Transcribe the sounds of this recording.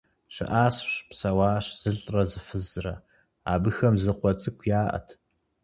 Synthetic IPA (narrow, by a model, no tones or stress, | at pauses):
ɕɪ̰ʔaːsɕpsɐwaːɕz̥ɨɬʼrɐzɨfɨzɨrɐ̰ | a̰ːbɨxɐmzɨqʷɔt͡sʼɨkʷʰjaːʔɐ̰tʰ